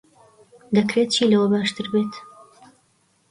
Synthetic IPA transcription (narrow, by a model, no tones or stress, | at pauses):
d̪ɐkɾeːt̪̚t͡ʃʰiːlɐwɐbaːʃt̪ɨɾbeːt̪